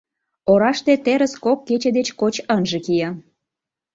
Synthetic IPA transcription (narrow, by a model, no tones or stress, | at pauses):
oɾɑʃt̪et̪eɾəskokːet͡ɕed̪et͡ɕkot͡ɕənʒĕkijɑ